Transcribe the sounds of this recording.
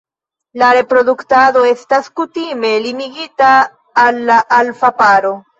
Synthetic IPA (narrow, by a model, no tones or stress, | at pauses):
laɾe̞pɾo̞d̪uktado̞e̞staskutime̞liniɡitaː | lːaʔːlfapaɾo̞